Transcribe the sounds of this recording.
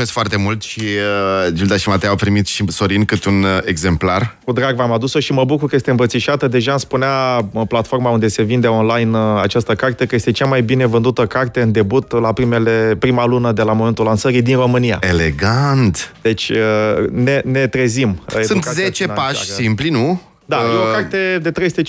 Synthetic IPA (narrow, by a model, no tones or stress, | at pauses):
eskfoart̪e̞mult̪ʃiəd͡ʒid̪aʃimat̪ejawpɾimit̪ʃiso̞ɾinkɨt̪uneɡze̞mplarkud̪ɾaɡvamad̪uso̞ʃiməbukurkəje̞st̪eɨmbət̪siʃat̪əd̪e̞ʒamspuneaplat̪fo̞rmaund̪e̞se̞vind̪e̞o̞nlajnat͡ʃast̪əkart̪e̞kəje̞st̪e̞t͡ʃamajbine̞vɨnd̪ut̪əkart̪e̞ɨnd̪e̞but̪lapɾimelepɾimalunəd̪e̞lamo̞me̞nt̪ulansəɾid̪inro̞mɨnija̰eleɡant̪d̪̥e̞t͡ʃʲəne̞ne̞t̪ɾezimjesɨnt̪zet͡ʃepaʃsimplinu | d̪ajeokart̪e̞d̪e̞t̪ɾejst̪et͡ʃ